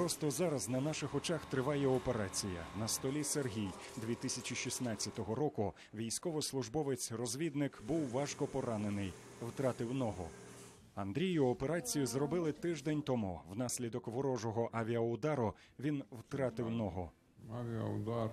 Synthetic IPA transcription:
pɾɔst̪ɔzɑɾɐznɐnɑʃɪxɔt͡ʃɑxt̪ɾɪʋɑjɛɔpe̞ɾɑt͡sʲijɐ̰nɐst̪ɔlʲiserɦʲij | d̪ʋʲit̪ɪsʲɐt͡ʃiʃisnɑt͡sʲːɐt̪ɔɦɔɾɔkʊ | ʋʲijsʲkɔʋɔslˠʊʒbɔʋɪt͡sʲrɔzʲʋʲid̪nɪkbuwʋɑʃkɔpɔɾɑnenɪj | wt̪ɾɑt̪ɪwnɔɦɔ̰ | ɐnd̪ɾʲijʊɔpe̞ɾɑt͡sʲijʊzrɔbɪlˠɪt̪ɪʒd̪enʲt̪ɔmuwnɑsʲlʲid̪ɔkʋɔɾɔʒɔɦɔʔɐʋʲiɐʊd̪ɑɾʊ | ʋʲinwt̪ɾɑt̪ɪwnɔɦɔ | aʋʲiɐʊd̪ɑ

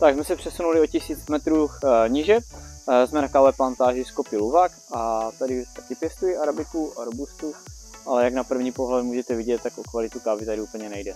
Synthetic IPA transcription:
t̪aɡzmɛsɛpr̥ɛsunulɪocɪsiːt͡smɛt̪ɾuɲɪʒɛzmɛnakavɛplant̪aːʒɪskopɪluvak | at̪adɪt̪akɪpjɛst̪ujiʔaɾabɪkuaɾobust̪u | ʔalɛjaɡnapr̩vɲiːpoɦlɛmuːʒɛt̪ɛvɪɟɛt̪ːakʔokvalɪt̪ukaːvɪt̪adɪuːpl̩ɲɛnɛjdɛ

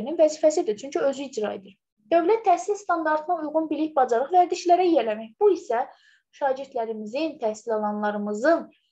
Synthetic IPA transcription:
ɾininvæziːfæsid̪it͡ʃʰyɲcʰyø̞zyid͡ʒɾɑed̪iɾ | d̪̥ø̞vlæt̪ʰːæhsilst̪ɑnd̪ɑɾt̪ʰɯnɑujʁunbiliçbɑd͡ʒɑɾɯχvæɾd̪iʃlæɾæjelæmæçb̥uisæ | ʃɑːɟiɾd̪læɾimizint̪ʰæhsilɑlˠɑnlˠɑɾɯmɯzɯn

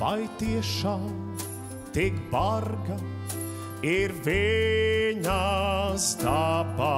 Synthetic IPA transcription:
vajt̪iɛʃaːm | t̪ikbaɾɡɐ | iɾvi | ɲazd̪aba

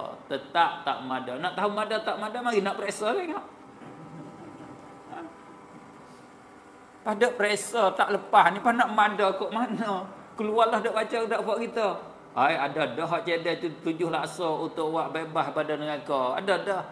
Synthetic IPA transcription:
t̪ət̪aʔt̪a̰ʔmadənaʔt̪aɦumadət̪aʔmadəmaɡinaʔpɾesəleŋaʔ | pahdəpəɾesət̪aʔləpahnipahnaʔmadəkoʔmanəkəluarlahdəʔbat͡ʃədaʔpaʔkit̪ə | ajadədəɦaʔt͡ʃedɛt̪ut̪ud͡ʒʊhlasəut̪ʊkwaʔbebahbadanəŋakəa̰dədəh

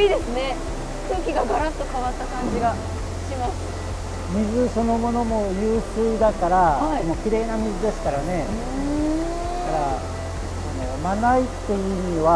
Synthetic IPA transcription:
iːd̪esɨne̞ | kɯːkʲiɡaɡaɾãt̪o̞kaβat̪ːakãd͡ʑiɡa | ɕimasɨ̥ | mʲizɨso̞no̞mo̞no̞mo̞jɯːsɨːd̪akaɾaaimokʲiɾe̞ːnamʲizɨd̪e̞sɨ̥kaɾane̞ | d̪akaɾa | ano̞manait̪ːe̞jɯːmiβa

